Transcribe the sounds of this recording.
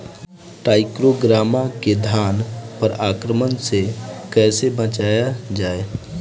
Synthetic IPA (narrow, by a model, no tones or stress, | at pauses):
ʈaːɪkɾoɡɾaːmaked̪ʱaːnpəɾaːkɾəmənsekɛːsebət͡ʃaːjad͡ʒaːe